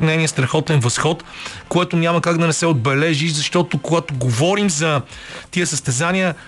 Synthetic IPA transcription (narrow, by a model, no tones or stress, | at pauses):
nɛniəst̪ɾɐxɔt̪ɛnvɐsxɔt̪koɛt̪ʊnʲamɐkaɡd̪ɐnɛsɛod̪̚bɛlɛʒiʃzɐʃt̪ɔt̪okoɡat̪oɡovɔɾimzɐ | t̪iəsɐst̪ɛzaniə